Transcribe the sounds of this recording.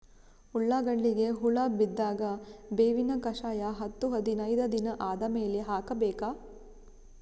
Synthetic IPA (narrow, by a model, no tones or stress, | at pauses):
uɭːaːɡɐɭːiɡe̞ɦuɭaːbid̪ːaːɡɐbeːʋinɐkɐʂaːjɐɦɐt̪ːuɦɐd̪inɐjd̪ɐd̪inɐʔaːd̪ɐmeːle̞ɦaːkɐbɛːkaː